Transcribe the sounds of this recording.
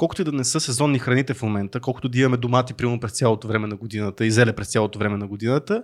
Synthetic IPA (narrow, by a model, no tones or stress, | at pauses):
kɔlˠkʊt̪id̪ɐnɛsɤsɛzɔnːixɾɐnit̪ɛfmomɛnt̪əkɔlˠkʊt̪ʊd̪ɐimɐmɛd̪omat̪ipɾimɐmopɾɛst̪sʲjalˠot̪ovɾɛmɛnɐɡod̪inət̪əizɛlɛpɾɛst̪sʲjalˠot̪ovɾɛmɛnɐɡod̪inət̪ə